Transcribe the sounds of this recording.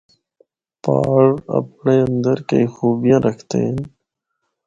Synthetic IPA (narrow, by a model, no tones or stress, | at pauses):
pa̰ːɽɐ̰pɳeɐnd̪əɾkḛjxuːbjãɾəkt̪ḛn